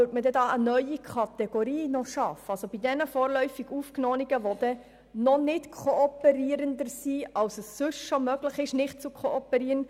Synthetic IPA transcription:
øːtmədɛdɑːənœʏikʰɑt̪ɛɡ̥oɾiːnɔʃɑfəɑlsob̥idɛnəfɔːɾlœʏfiɡuːfknɔːniɡəʋɔd̥̪ɛ | nɔnɪtkʰoɔpɛɾiəɾəndəɾsiːɑwsəsːʏʃʃomœɡlɪχɪʃnɪχt̚t͡sukʰoɔpəɾiːəɾən

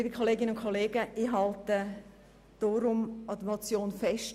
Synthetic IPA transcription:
liːbikʰoleːɡɪnəʊnkʰoleːɡəʔiːɦɑltə | d̥ɔːɾʊmɑd̪əmot͡sjoːnfɛʃt

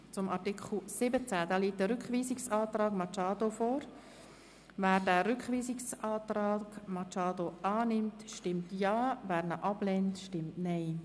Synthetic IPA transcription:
t͡sʊmʔɑɾtɪkʰχl̩sɪbət͡sædɑːliːt̚dəɾʏkχʋiːsɪksɑːt̪ɾɑːɡmɑt͡ʃɑːdofoːɾ | væːɾdæːɾʏkχʋiːsɪksɑːtɾɑːɡ̥mɑt͡ʃɑːdoʔɑːnɪmtʃtɪmtjɑːvæːɾnəʔɑb̥lɛntʃtɪmtnɛɪ

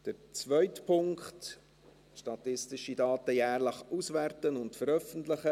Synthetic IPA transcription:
d̥əɾt͡svœʏtpʰʊŋkχt | ʃtɑt̪ɪstɪʃidɑːt̪əjæːrləχusʋærtənʊntfəɾœfən̩tləχə

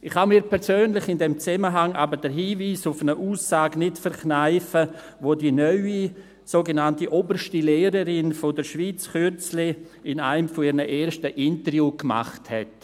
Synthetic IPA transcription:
ɪχhamiːɾpʰɛɾsøːnlɪχɪndɛmt͡sɛməɦaŋʔabəɾdəɾɦiːviːsʊfənəʔuːsaːɡnɪtfəɾknaɪfə | ʋodinœʏi | soːɡenantiʔobəɾʃtileːɾəɾɪnfodəʃʋiːt͡skʏt͡slɪ | ɪna̰ɪmfɔɪɾnəʔeːɾʃtəʔɪntəɾjuːkma̰χthɛ̰t

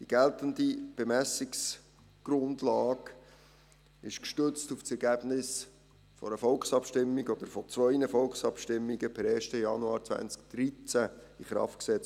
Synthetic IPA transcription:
d̥iɡ̥ɛlt̪əndib̥emæsiks | ɡ̥ɾʊndlɑːɡ | ɪʃkʃtʏt͡stuft͡sɛɾɡæb̥nɪs | fɔ̰ɾəfɔlksɑpʃtɪmːiɡɔd̪əɾfɔt͡sʋœʏnəfɔlksɑpʃtɪmːiɡəpʰɛɾɛːʃtəjɑnuɑːɾt͡svæ̰nt͡sk̚d̪̥ɾit͡sæiχɾɑ̰ftksɛt͡s

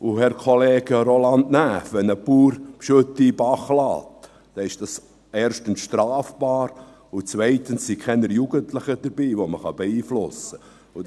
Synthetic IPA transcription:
ʊhɛɾkʰɔleːɡ̥əɾolɑndnæːfʋɛnəpuːɾpʃɵtːibɑχlɑ̰ːt | d̥ɛɪʃd̥ɑs | eːɾʃtənsʃtɾɑːfb̥ɑːɾ | ʊt͡svɛɪtənsːikʰɛnəɾjuɡəntlɪχəd̥əɾbiːʋoməχɑbɛiːflʊsə | ʊ

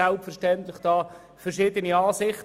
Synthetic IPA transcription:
ɛlpfɛɾʃtɛnt̪lɪχd̥ɑː | fɛɾʃɪːd̪əniɑːsɪχt

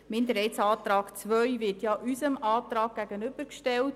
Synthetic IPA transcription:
mɪndəɾhɛjtsɑːt̪ɾɑːkt͡sʋœɥʋɪrtjɑʔysəmɑːt̪ɾɑːk̚ɡ̥æɡənʏb̥əɾkʃtɛlt̚

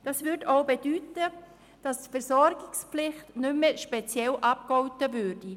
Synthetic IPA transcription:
d̥ɑsvʏɾdoʊbedyːtə | d̥ɑstfɛɾsɔɾɡɪksplɪχtnʏmːɛʃpɛt͡sjɛlʔɑp̚kɔwtəvøːɾd̥i

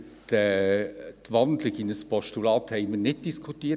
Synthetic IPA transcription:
tɛ | t̪ʋɑnd̪lɪɡinəspʰɔʃtulɑːt̪hɛɪmənɪt̚d̥iskʰut̪iː

